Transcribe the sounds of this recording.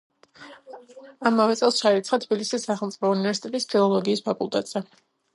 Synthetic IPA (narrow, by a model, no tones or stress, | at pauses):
amavɛt̪sʼɛlˠsʃait̪sʰχat̪ʰb̥ilisisːaχɛlˠt̪sʼipʰɔunivɛɾsi̥t̪ʼɛt̪ʼispʰilˠɔlˠɔɡiːspʰakʼulˠt̪ʼɛt̪ʼz̥ɛ